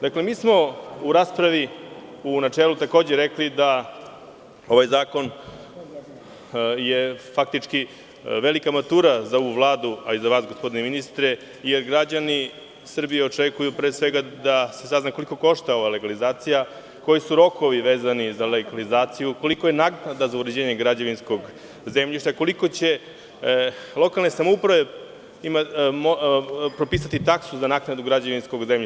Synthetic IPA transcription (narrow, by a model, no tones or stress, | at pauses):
d̪akle̞miːsmo̞uɾaːspɾaʋiunat͡ʂeːlut̪ako̞ːd͡ʑeɾeklid̪a | o̞ʋajzaːko̞n | jefak̚t̪it͡ʂki | ʋelikamat̪uːɾazaoʋuvlˠaːd̪uaizaʋaːsɡo̞spo̞d̪ineminist̪ɾe | ijeɾɡɾad͡ʑani | sr̩bijeot͡ʂekujupɾesʋeɡad̪ase̞saznako̞liko̞ko̞ʃt̪aoʋale̞ɡalizaːt̪sija | ko̞jisuɾo̞ko̞ʋiʋe̞ːzanizaleɡalizaːt̪sijuko̞liko̞jenaknad̪azauɾed͡ʑeːɲeɡɾad͡ʑeʋinsko̞ɡ | zemʎiʃt̪ako̞liko̞t͡ɕe̞ | lˠo̞kalˠne̞samoupɾaʋe̞ | imamopɾo̞piːs̬at̪it̪aksuzanaknad̪uɡɾad͡ʑeʋinsko̞ɡzemʎi